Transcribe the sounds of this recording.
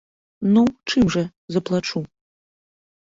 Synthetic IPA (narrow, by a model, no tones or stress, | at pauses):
nut͡ʂɨmʐɐ | zɐplˠat͡ʂu